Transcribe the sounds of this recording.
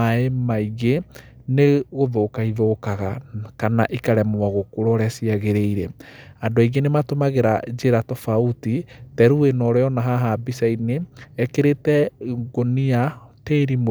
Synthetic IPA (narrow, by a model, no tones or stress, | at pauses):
aemaiɣe | neɣoðoːkaiðokaɣakanaʔikaɾɛmowaɣokoɾɔɾɛasiaɣeɾeiɾɛadwaiɣenematomaɣeɾa̰d͡ʒeɾatɔfautitɛɾuenɔɾɛɔnaɦaɦabisaineːkeɾetɛɡoniateːɾim